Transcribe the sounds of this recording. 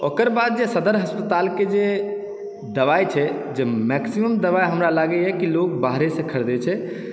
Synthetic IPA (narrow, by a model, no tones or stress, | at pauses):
okəɾbad̪̚d͡ʒesəd̪əɾɦəspət̪aːlked͡ʒe | d̪əʋajt͡ʃʰɛ | d͡ʒemɛksiməmd̪əʋajɦəmɾalaɡɛjɛkilokbaɦɾesə̃kʰəɽd̪ɛt͡ʃʰɛ